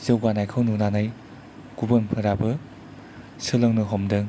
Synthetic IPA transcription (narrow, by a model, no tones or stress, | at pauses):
zɯwɡanajkʰɯwnunanaj | kubɯnpʰɯɾabɯ | sɯlɯŋnɯɦɔmdɯŋ